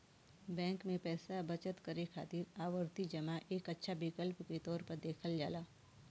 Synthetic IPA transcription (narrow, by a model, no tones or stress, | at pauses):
bɛ̃ːŋkmẽpɛːsabɐt͡ʃət̪kɐɾekʰa̰ːt̪iɾaːʋəɾt̪id͡ʒɐmaʔeːkətːʃʰabɪkəlpket̪ɔːɾpɐɾd̪eːkʰəld͡ʒaːlaː